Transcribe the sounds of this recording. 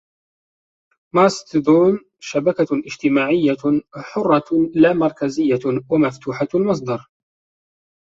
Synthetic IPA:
mɑst̪d̪uːn | ʃabakaʔɪd͡ʒt̪ɪmaːʕɪjːaħʊrˤːɑlaːmɑɾˤkazɪjːawamaft̪uːħalmɑs̬ˤd̪ɑɾˤ

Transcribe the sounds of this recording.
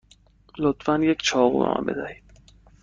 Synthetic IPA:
lot̪fænjekt͡ʃʰɒːɣubḛmʔa̰mbe̞zæhiːd̪̥

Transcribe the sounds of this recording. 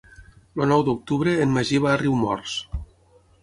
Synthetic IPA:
lonɔwd̪uk̚t̪uβɾeːnmaʒiβaːriwmɔ̰ɾs

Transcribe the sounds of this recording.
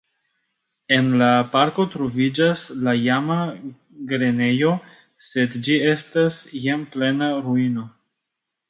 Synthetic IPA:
e̞nlapaɾko̞tɾo̞vid͡ʒaslajama | ɡɾe̞ne̞jo̞ | se̞dd͡ʒie̞stasjemple̞naɾuino̞

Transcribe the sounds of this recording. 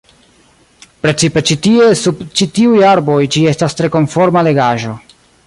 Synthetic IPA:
pɾe̞t͡sipe̞t͡ʃitiesubt͡ʃitiujaɾbo̞jd͡ʒie̞stastɾe̞ko̞nfo̞ɾmale̞ɡaʒo̞

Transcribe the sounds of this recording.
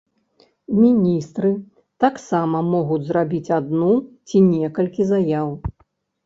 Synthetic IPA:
mʲinʲist̪ɾɨ | t̪aksamɐmɔɣud͡zʲzrabʲit͡sʲad̪nut͡sʲinʲɛkɐlʲkʲizajaw

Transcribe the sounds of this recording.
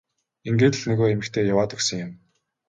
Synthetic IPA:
eŋɡeːt̪ɘ̆ɮnɵɣoːemɘ̆kt̪ʰeːjawaːt̪ɵksə̆ŋjʊ̆m

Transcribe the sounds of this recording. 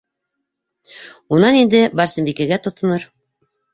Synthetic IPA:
unɑnind̪ɘbɑɾsɘ̆mbikæɡæt̪ŏt̪ɤ̆nɤɾ

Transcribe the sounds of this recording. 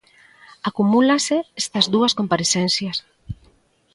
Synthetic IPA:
akumulaseest̪ɐzðuɐskompaɾeθenθjaɐs

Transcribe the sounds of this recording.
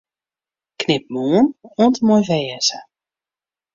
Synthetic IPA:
knɪp̚moːənɔntəmojvɛːəzə

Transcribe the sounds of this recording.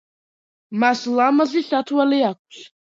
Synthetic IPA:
maslamaziɬatʰwalijak̚ʷʰʼɬ

